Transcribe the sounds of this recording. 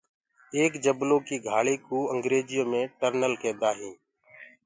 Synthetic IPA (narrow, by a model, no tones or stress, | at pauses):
eːkd͡ʒəbloːkiːɡʱaːɭiːkuːəŋɡɾeːd͡ʒɪjõːmẽːʈəɾnəlkẽːd̪aːɦĩː